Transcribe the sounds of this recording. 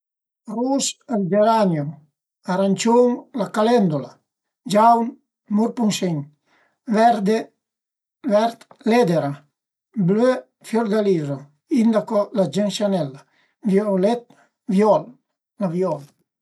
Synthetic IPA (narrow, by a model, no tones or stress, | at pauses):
rusald͡ʒeɾanjo | aɾant͡ʃoŋlakalɛnd̪ula | d͡ʒawn | muɾpuŋʃiŋ | vɛɾd̪e | vɛɾt̪lɛd̪eɾa | blø | fjɔɾd̪alizo | ind̪akɔlad͡ʒenʃanɛla | vjɔlɛt̪̚ | vjɔl | lavjɔl